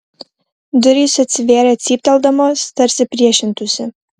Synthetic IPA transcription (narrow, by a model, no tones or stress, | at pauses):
d̪ʊɾʲiːsɐt̪ʲsʲɪʋʲeːɾʲɛɐt̪ʲsʲiːp̚ʲt̪ʲɛlˠd̪ɐmoːst̪ɐɾʲsʲɪpʲɾʲiɛʃʲɪnt̪ʊsʲɪ